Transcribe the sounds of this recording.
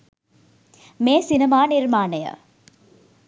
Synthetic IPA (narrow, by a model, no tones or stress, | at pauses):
meːsinɐmaːniɾmaːnəjə̰